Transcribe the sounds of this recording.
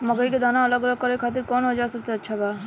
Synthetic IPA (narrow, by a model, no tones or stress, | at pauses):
məɡəiked̪anaələɡələɡ̚kəɾekʰaːt̪̬iɾkɔːnɦod͡ʒaesəbseətːʃʰabaː